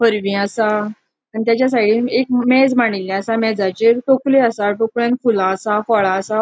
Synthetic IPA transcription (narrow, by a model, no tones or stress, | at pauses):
fəɾʋĩəsa | aɳit̪jat͡ɕjas̬aʈiːekmɛd͡zmaɳ̃ilːjãəsamɛd͡zat͡ɕeʈokleasaʈokɭjãnkʰulãːsafɔɭãsa